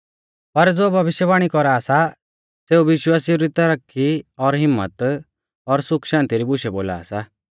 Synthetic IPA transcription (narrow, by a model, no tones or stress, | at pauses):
pɐɾd͡zoːbʱɐʋɪʃjəbaːɽ̃ikɔɾaːsa | seːuʋɪʃwaːsiuɾit̪ɐɾəkʰːiɔɾɦɪmːə̰t̪ | ɔɾsʊkʰʃãːnt̪iɾibʊʃɛboːla̰ːsa